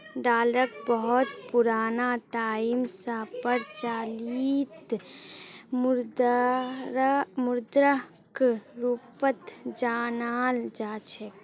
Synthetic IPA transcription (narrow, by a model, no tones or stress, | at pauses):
ɖaːləkbəɦʊt̪puɾaːnaʈaːimsapəɾt͡ʃaːliːt̪ | md̪ | mʊɾd̪ɾə | kɾupət̪d͡ʒaːnaːld͡ʒaːt͡ʃʰɛk